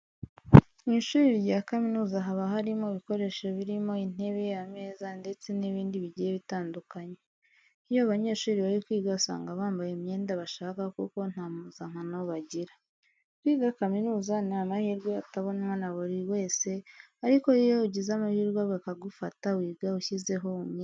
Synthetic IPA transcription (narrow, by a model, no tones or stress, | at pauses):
niʃuːɾiɾjakaminuːzaɦaβaɦaɾimo̞βiko̞ɾe̞ʃeβiɾimo̞in̥e̞βe̞ame̞ːzande̞t͡se̞niβiːndiβiɟije̞βitaːndukaɲe̞ | ijoaβaɲe̞ːʃuːɾiβaɾikwiːɡasa̰ːŋɡaβaːmbajemɲe̞ːndaβaʃaːkakuko̞n̥hamuzaŋ̥anaβaɟiɾa | twiːɡakaminuːzanaːmahiːɾɡweataβo̞nmwanaβuɾiwe̞ːse̞aɾiko̞ijouɟizamahiːɾɡwaɡakaɡufatawiːɡauçize̞ɦo̞umɲ